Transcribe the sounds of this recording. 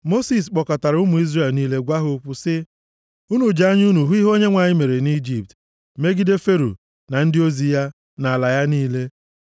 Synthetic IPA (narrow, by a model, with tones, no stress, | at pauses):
mo˦si˨s̬k͡pɔ˨ka˨ta˨ɾʊ˦mʊ˨i˦zre˦˨lniː˦le˦ɡʷa˦ɦʊ˦k͡pʊ˦sɪ˦ | u˦nu˨d͡ʒa˦ɲ˦u˦nu˨ɦu˦i˦ɦo˦ɲe˦ŋʷa˨ɲɪ˦me˨ɾe˨ni˦d͡ʒi˨p̚t | me˦ɡi˦de˦fe˦ɾṵ˨ | na˨n̩˦dɪ˦o˦zi˨ja˦ | na˨la˨ja˦niː˦le˦